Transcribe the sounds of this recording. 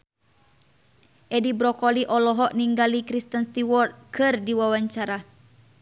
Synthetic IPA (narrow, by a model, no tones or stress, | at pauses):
ʔɛdibɾɔkɔliʔɔlɔɦɔʔniŋɡalikɾist̪ənst̪iwɔrt̪̚kʰɨrdiwawaɲt͡ʃaɾa